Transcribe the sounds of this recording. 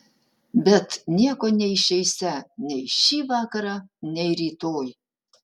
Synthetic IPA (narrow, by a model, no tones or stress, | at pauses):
bʲɛt̪nʲiɛkoːnʲɛɪʃʲɛɪsʲænʲɛɪʃʲiːʋɑːkɐɾɑnʲɛɪɾʲiːt̪oːj